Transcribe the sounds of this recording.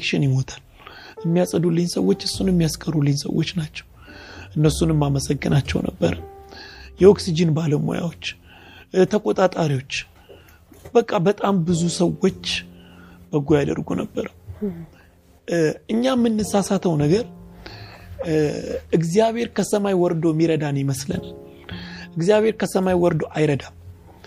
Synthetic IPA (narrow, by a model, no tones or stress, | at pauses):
kʃɪnjɪmo̞t̪ʰḁl | ɨmːijasʼəd̪ulːɨɲsəwːo̞t͡ʃːɨsːunɨmːijaskʰəɾːulːɨɲsə̰wːot͡ʃːnat͡ʃːɛ̥w | ʔɨnːəsunɨmːaməsəɡːɨnʔat͡ʃːɛ̰wnə̰bːə̰ɾəmjɛoksid͡ʒɪnbaləmo̞̰ja̰wo̞t͡ʃː | t̪ʰəkʼot̪ʼat̪ʼaɾiwo̞t͡ʃː | bəkʼːabət̪ʼambɨzusəwo̞t͡ʃː | b̥əɡojad̪ə̰ɾɡṵnəbːəɾə | ʔɨɲːamːɨnːɨsasat̪ʰəwnəɡəɾ | ʔɨɡzijaβe̞ɾkʰəsəmajwɔɾd̪o̞miɾəd̪anjɪməslə̰nal | ʔɨɡzijaβhe̞ɾkʰəsəmajwɔɾd̪o̞ʔajɾəd̪am